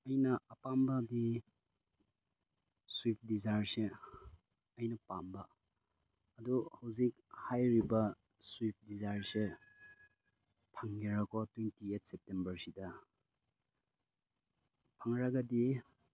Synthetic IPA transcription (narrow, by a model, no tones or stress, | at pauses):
ɐjnɐʔɐpambɐdi | swip̚ʰdizaɾse | ɐjnɐpambɐː | duhɐwzik̚ | hajɾibɐ | swip̚ʰdizaɾse | pʰaŋɡiɾɐkʰɔtwentiet̚ʰsep̚tembɐɾsidɐ | pʰaŋɾaɡɐdi